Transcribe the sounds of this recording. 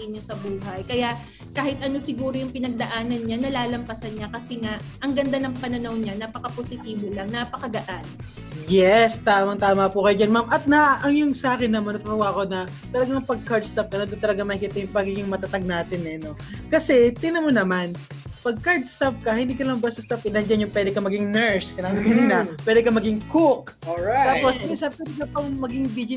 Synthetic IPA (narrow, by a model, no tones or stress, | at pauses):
ʔɪnɲɐsɐbuːɦɐjkɐjaʔ | kaːhɪt̪̚ʔɐno̞sɪɡuːɾojʊŋpɪnɐɡ̚d̪ɐʔaːnɐnɲanɐlaːlɐmpɐsɐnɲakɐsɛŋaʔʔɐŋɡɐnd̪anɐŋpɐnɐnawɲanapɐkɐposɪt̪iːbolaŋnapɐkɐd̪ɐʔan | jɛst̪aːmɐŋt̪aːmɐpukɐjod͡ʒɐnmamʔɐt̪̚nɐʔɐŋjʊŋsɐʔaːkɪnːɐmɐnɐt̪ɐt̪ɐwaːʔko̞nɐ | t̪ɐlɐɡaŋpɐɡ̚kaɹd̪̚st̪ap̚kɐnɐd̪ʊnt̪ɐlɐɡamɐkɪt̪ɐjʊŋpɐɡiːɡɪŋmɐt̪ɐt̪aɡ̚naːt̪ɪnɛno̞ | kɐsɛt̪ɪnɐmonɐman | pɐɡ̚kaɹd̪̚st̪ɐp̚kɐhɪnd̪iːkɐlɐŋbɐst̪ɐst̪ɐpkɪnɐnd͡ʒɐnjʊŋpwɛːd̪ɛkɐmɐɡɪŋnɛɹskɪnabɪkɐninɐpwɛːd̪ɛkɐmɐɡɪŋkʊkoaaːpo̞smsɐpwɛːd̪ɛkɐpɐomɐɡɪŋbid͡ʒɪ